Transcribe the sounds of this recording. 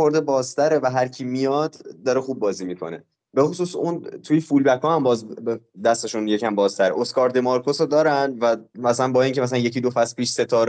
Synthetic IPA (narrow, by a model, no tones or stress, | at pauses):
o̞ɾd̪ebɒːz̥t̪ʰæɾevæɦæɾcʰiːmijɒd̪̥ːɒɾexuːb̚ːɒːziːmiːkʰo̞̰ne | be̞xosuːsunt̪ʰujefulbækʰɒːhæmbɒːzbed̪æst̪e̞ʃunje̞cʰæmbɒːz̥t̪ʰæɾḛʔo̞skɒːɾd̪d̪emɒɾkʰosod̪ɒːɾænvæmæslænbɒːiːŋcʰeæs̬ælænje̞ciːd̪ofæspiːʃse̞t̪ʰɒːɾ